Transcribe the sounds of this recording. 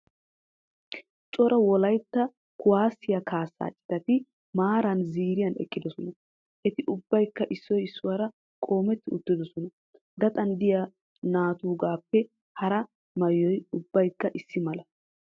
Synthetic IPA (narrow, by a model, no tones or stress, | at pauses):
t͡ʃʼɔɾɐwɔlɐjt̪ːɐ | kʊwaːsːɪjakʰaːsːa̰ːt͡ʃʼːɪ̥t̪ɐt̪ɪ | maːɾɐnziːɾɪjɐnɛ̰kːɪd̪ɔsɔnɐ | ʔɛt̪ɪʔʊbːɐjkːɐʔɪsːɔjɪsːʊwaːɾɐ | kʼo̞ːmɛt̪ːɪʊt̪ːɪd̪ɔsɔnɐ | d̪ɐt̪ʼɐnd̪ɪja | naːt̪uːɡaːpːɛ | hɐɾɐ | mɐjːɔjʊbːɐjkːɐʔɪsːɪmɐlɐ